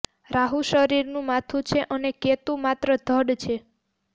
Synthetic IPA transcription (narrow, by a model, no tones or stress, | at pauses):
ɾaɦuʃəɾiɾnũmat̪ʰũt͡ʃʰeʔəneket̪ũmat̪ɾəd̪ʱəɽt͡ʃʰe